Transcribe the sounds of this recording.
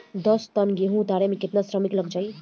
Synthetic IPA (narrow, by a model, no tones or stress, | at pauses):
d̪ʌst̪ʌnɡeɦũt̪aɾemẽkɪt̪nasɾəmikləɡd͡ʒaj